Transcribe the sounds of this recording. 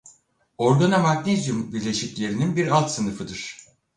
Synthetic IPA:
o̞ɾɡanamaknʲezjumbiɾlʲe̞ʃiclʲe̞ɾininbiɾalˠt̪sɯnɯfɯd̪ɯɾ̥

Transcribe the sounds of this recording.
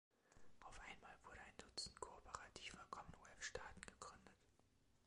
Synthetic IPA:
ʔaʊfʔaɪnmaːlvʊɐɾəaɪnd̥ʊt͡sn̩tkʰoɔpʰəʁatʰiːfɔkʰɔmənwɛfʃtaːtn̩ɡ̥əɡ̥ʁʏndət

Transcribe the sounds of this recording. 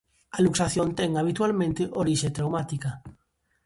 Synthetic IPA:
aluksaθjõnt̪ɛŋaβ̞it̪ualmẽnt̪eʔoɾiʃet̪ɾawmat̪ika

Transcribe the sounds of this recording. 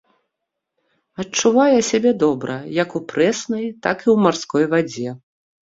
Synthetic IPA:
ɐt͡ʂːuvajɛsʲabʲɛd̪ɔbɾɐjɐkupɾɛsnɐjt̪akiwmarskɔjvad͡zʲɛ

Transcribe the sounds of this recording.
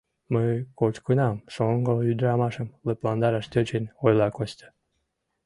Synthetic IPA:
məjkot͡ɕkənɑmʃoŋɡoyd̪ɾɑmɑʃə̆mleplɑnd̪ɑɾɑʃt̪ʲøt͡ɕenojlɑkost̪ə̥

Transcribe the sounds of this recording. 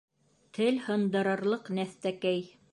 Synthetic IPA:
t̪ʰɘlhɤ̆nd̪ɤ̆ɾɤ̆ɾlˠɤqnæθt̪ækæj

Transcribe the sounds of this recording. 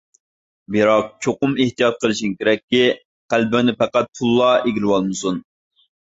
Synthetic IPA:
bɪɾɑq̚t͡ʃʰoqʊmeht̪ijɑt̪̚qʰəlˠɨʃinkʲeɾɛkʲːi | qælbɪŋnɪpæqæt̪̚pʰulˠːɑeɡʲilɪwɑlˠmɨsun

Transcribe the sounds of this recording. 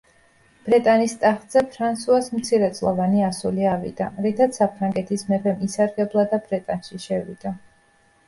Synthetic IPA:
b̥ɾɛt̪ʼanist̪ʼaχd̪z̥ɛpʰɾansuasmt̪sʰiɾɛt̪sʼlˠavaniasuliavḭd̪̥aɾit̪ʰat̪sʰapʰɾaŋɡɛt̪ʰismɛpʰɛmisaɾɡɛblˠad̪abɾɛt̪ʼanʃiʃɛvḭd̪a

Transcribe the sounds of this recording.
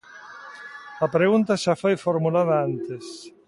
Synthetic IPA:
ɐpɾeɣunt̪aʃafojfoɾmulaðaant̪es

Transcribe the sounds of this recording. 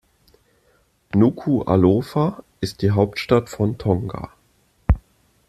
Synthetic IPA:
nuːkʰuʔa̰loːfaʔɪst̚d̥iːɦaʊptʃtatfɔntʰɔŋɡa̰

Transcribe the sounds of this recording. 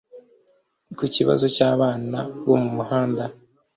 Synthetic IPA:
kuciβa̰zo̞caːβaːnaβo̞mumuhaːnda

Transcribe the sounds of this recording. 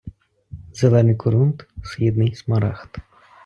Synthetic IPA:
zelˠɛnɪjkʊɾunt̪sxid̪nɪjsmɐɾɑxt̪

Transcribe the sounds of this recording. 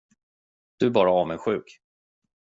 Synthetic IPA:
d̪̥ɵæɾbɑːɾaɑːvɛnɧʉ̟ːk

